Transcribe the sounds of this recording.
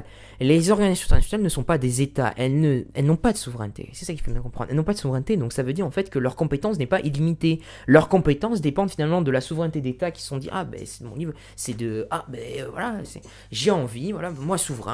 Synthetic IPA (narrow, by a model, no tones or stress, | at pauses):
l | lezɔʁɡanizasjɔ̃t̪ʰɛnasjɔnalnəsɔ̃pad̪ezet̪a̰ʔɛlnəɛlnɔ̃pad̪əsuvʁɛ̰̃nt̪ʰḛsɛ̥sakʲi̥fobjɛ̃kɔ̃pχɑ̰̃d̪ʁɛlnɔ̃pad̪əsuvʁɛ̃nt̪ed̪ɔ̃ksavød̪iʁɑ̃fɛt̪kəlœʁkɔ̃pet̪ɑ̃snɛpaʔilimit̪e | lœʁkɔ̃pet̪ɑ̃sd̪epɑ̃d̪finalmɑ̃d̪əlasuvʁɛ̃nt̪ed̪et̪akʲi̥sə̥sɔ̃d̪ḭʁa̰bɛ̰sɛd̪əmɔ̃niv | sɛd̪əabɛøvwa̰lasɛ̰ | ʒeɑ̃vivwalamwasuvʁɛ̰̃